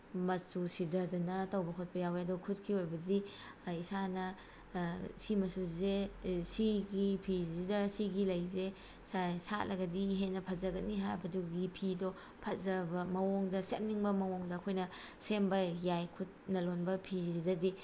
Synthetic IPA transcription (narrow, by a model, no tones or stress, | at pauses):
mɐsusidɐdunɐtɐwbɐkʰot̚pɐjaweɐdɔkʰut̚kʰiojbɐdi | isanɐ | simɐsuzesiɡipʰizidɐsiɡilɐjze | sasa̰lɐɡɐdiːɦenɐpʰɐzɐɡɐniɦajbɐduɡipʰido | pʰɐzɐbɐmɐwoŋdɐsemniŋbɐmɐwoŋdɐːkʰojnɐsembɐjajkʰut̚nɐlonbɐpʰiziidɐdi